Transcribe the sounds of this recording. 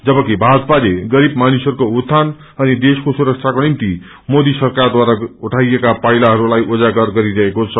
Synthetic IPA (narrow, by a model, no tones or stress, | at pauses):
d͡zʌbʌkibʱad͡zpaleɡʌɾib̚manisʌɾukout̪ʰːan | ʌnid̪eskosuɾʌkt͡sʰakonimt̪i | mod̪isʌrkard̪waɾauʈʰajekapʌjlaɦʌɾulajʔod͡zaɡʌrɡʌɾiɾʌɦekot͡sʰʌ